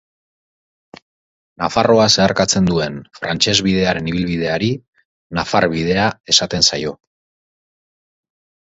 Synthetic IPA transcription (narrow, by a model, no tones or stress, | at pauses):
nafaro̞ase̞aɾkat͡se̞nd̪ue̞nfɾa̰nt͡ʃe̞zβið̞e̞aɾe̞niβ̞ilβið̞e̞aɾi | nafaɾβiðe̞ae̞sat̪e̞nsajo̞